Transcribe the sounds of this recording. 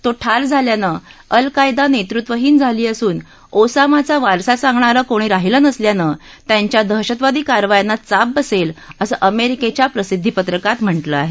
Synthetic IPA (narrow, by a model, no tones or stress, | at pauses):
t̪oʈʰald͡zʱaljanəəlkajd̪anet̪ɾut̪ʋəɦiːnd͡zʱaliːəsuːn | osamat͡saʋaɾsasãŋɡɳaɾəːkoɽ̃iːɾaɦilənəsljanə | t̪jaɲt͡ɕjad̪ʱəɦɕət̪ʋad̪iːkaɾʋajanːat͡sab̚bəseləsəːʔəmeɾiket͡ɕjapɾəsid̪ʱːipət̪ɾəkat̪m̤əɳʈləaɦe